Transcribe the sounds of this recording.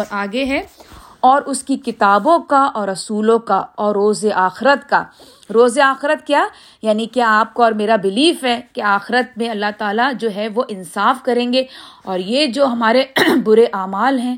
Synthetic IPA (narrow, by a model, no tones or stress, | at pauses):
aːɡeɦɛ̃ː | ɔːɾʔʊskikɪt̪aːbõkaʔɔːɾɐsuːlõkaɔːɾːoːzeʔaːxɪɾət̪ka | ɾoːzeaːxɪɾət̪̚kjaː | jaːnikeaːp̚kaɔːɾmeːɾabɪliːfɦɛːkeaːxɪɾət̪̚mẽɐlːaɦt̪aːlad͡ʒoːɦɛʋoʔɪ̃nsaːfkɐɾẽːŋɡeɔːɾjed͡ʒoːɦɐmaːɾebʊɾeʔaːmaːlɦɛ̃ː